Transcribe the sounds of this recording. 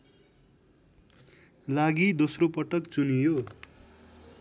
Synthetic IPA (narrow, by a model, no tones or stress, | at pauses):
laɡid̪osropʌʈʌkt͡sunijo